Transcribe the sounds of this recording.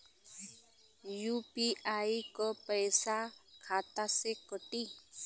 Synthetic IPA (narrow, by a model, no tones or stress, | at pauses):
jupiaikɔpəjsakʰaːt̪asekɔʈi